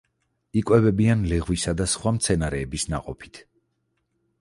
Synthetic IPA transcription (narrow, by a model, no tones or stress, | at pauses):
ikʼwɛbɛbianlɛʁwisad̪asχwamt̪sʰɛnaɾɛːbisna̰qʼɔpʰi̥t̪ʰ